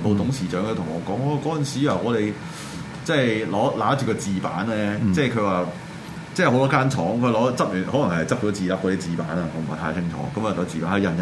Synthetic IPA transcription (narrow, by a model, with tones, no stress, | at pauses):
po˧t̪ʊ˨˥ŋsiː˨˩t͡ʃœː˨˥ŋkʰt̪ʰʊ˨˩ŋɔː˨˧kɔː˨˥ŋɔ˧kɔː˨˥ɐ˨nsiː˨˦a˨ŋɔː˨˧ɾe˨j | t͡sɛː˥˩jlɔː˨˥laː˨˥t͡ʃyː˨kɔː˧t͡siː˨pa̰ː˨˥nlɛː˥t͡sɛː˥˩kʰɵ˨˧waː˨ | t͡sɛː˥˩ho˨˥wt̪ɔː˥kaː˥nt͡ʃʰɔː˨˥ŋkʰlɔː˨˥t͡sɐ˥p̚jyː˨˩nhɔː˨˥lɐ˨˩ŋhɐ˨jt͡sɐ˥t͡ʃɔː˨˥t͡siː˨la˨˥k̚ɔː˨˧˥iː˥t͡siː˨paː˨˥nɐː˧ŋɔː˨˥m̩˨a̰˨˩t̪ʰaː˧jt͡sʰɪ˥ŋt͡ʃʰɔ̰ː˨˥kɐ˨˥mː˨˩t̪ɔː˨˧˥t͡siː˨paː˨˥nhɐ˨˧jɐ˧˩njɐ˨